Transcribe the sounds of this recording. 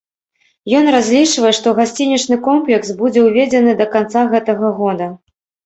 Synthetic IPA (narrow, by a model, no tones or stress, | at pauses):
jɔnrazʲlʲit͡ʂvɐjɛʂt̪ɔɣasʲt͡sʲinʲɛt͡ʂnɨkɔmplʲɛksbud͡zʲɛwvʲed͡zʲɛnɨd̪ɐkant̪saɣɛt̪ɐɣɐɣɔd̪ɐ